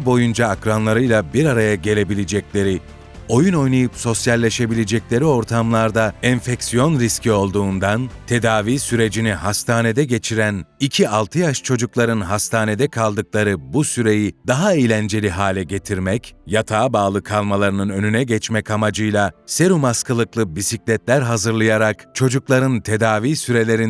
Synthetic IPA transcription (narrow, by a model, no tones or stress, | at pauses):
bo̞jund͡ʒaːkɾanlˠaɾɯjlˠabiɾaɾajaɟe̞lʲe̞bilʲed͡ʒɛc̚lʲe̞ɾi | o̞juno̞jnajɯpso̞sjalʲːe̞ʃe̞bilʲed͡ʒɛclʲe̞ɾio̞ɾt̪ʰamlˠaɾd̪aɛnfɛksijo̞nɾiscʰio̞lˠd̪uːnd̪ant̪ʰe̞d̪aːviːsyɾe̞d͡ʒinihast̪ʰaːne̞d̪ɛɟe̞t͡ʃʰiɾænicʰialˠt̪ʰɯjaʃt͡ʃʰo̞d͡ʒuklˠaɾɯnɦast̪ʰaːne̞d̪ɛkʰalˠd̪ɯk̚lˠaɾɯbusyɾe̞jid̪aɦaijlʲænd͡ʒe̞lʲiɦaːlʲɛɟe̞t̪ʰiɾmɛcjat̪ʰaːbaːlˠɯkʰalˠmalˠaɾɯnɯnø̞nynɛɟɛt͡ʃmɛcamad͡ʒɯjlˠase̞ɾumaskʰalˠɯklˠɯbisiclʲɛt̪lʲæɾɦazɯɾlˠajaɾakt͡ʃʰo̞d͡ʒuklˠaɾɯnt̪ʰe̞d̪aːviːsyɾe̞lʲe̞ɾin